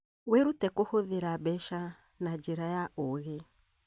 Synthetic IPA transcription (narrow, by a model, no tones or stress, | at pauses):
weɾutɛkohoðeɾabɛʃa | nad͡ʒeɾajaoɣe